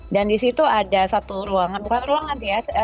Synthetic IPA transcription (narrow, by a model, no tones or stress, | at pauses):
dandisit̪uadasat̪uɾuaŋanbukanɾuaŋansija